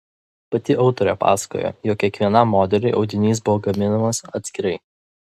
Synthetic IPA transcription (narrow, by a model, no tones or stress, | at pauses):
pɐt̪ʲɪʔɒʊt̪ɔːɾʲɛpɑ̰ːsɐ̥ko̰ːjo̰ːjokːʲiɛkʋʲiɛnɐmːoːd̪ʲɛlʲɛɪʔɒʊd̪ʲɪnʲiːs̬bʊʋoːɡɐmʲɪnɐmɐsɐt̪ʲsʲkʲɪɾɐɪ